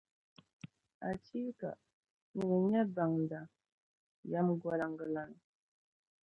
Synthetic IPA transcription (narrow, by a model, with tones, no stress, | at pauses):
a˨ti˦ka̰˨ | nə˨ɡə˨ɲa˦ba˨ŋda˨ | ja˦mɡwa˦la˨ŋɡə˨la˨n˨